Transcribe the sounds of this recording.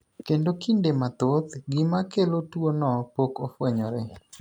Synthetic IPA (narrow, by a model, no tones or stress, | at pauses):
kendokindemat̪ot̪ɡɪmakelotwonɔpokofwɛɲɔɾɛ